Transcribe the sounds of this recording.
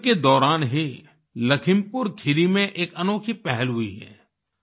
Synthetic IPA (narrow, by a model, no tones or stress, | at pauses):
ked̪ɔːɾaːnɦi | lɐkʰɪmpʊɾkʰɪɾimẽʔeːkɐnoːkʰipɛɦɛlɦʊḭɦɛ̰ː